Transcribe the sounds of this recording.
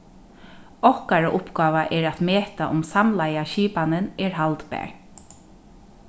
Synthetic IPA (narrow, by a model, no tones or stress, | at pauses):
ɔhkaɹaʔʊpɡɑːʋaʔɛɹat̪meːt̪aʔʊmsamlajaʃiːpanɪnɛɹɦalt̪pɛ̰ːɹ